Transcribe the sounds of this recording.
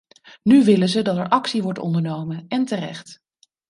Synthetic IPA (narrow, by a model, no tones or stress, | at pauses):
nyʋɪlənzədɑtɛɹʔɑksiʋɔɹtɔ̰ndəɹnowmənɛntərɛ̰χt